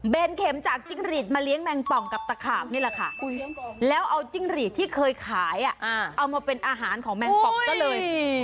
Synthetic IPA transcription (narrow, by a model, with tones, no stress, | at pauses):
beː˧nkʰe˩˦mt͡ɕaː˨˩k̚t͡ɕi˥˩ŋɾiː˨˩t̪̚maː˧li˦əŋmɛ˧ŋpɔ˨˩ŋka˨˩p̚t̪a˧kʰaː˨˩p̚ni˥˩lɛ˨˩kʰa˥˩lɛː˦˥wʔa˧wt͡ɕi˥˩ŋɾiː˨˩t̪ʰːiː˥˩kʰɤː˧jkʰaː˩˦jʔa˨˩ʔa˧˩ʔa˧wmaː˧pe˧nʔaː˧ɦaː˩˦nkʰɔː˩˦ŋmɛ˧pɔ˨˩kɔː˥˩lɤː˧j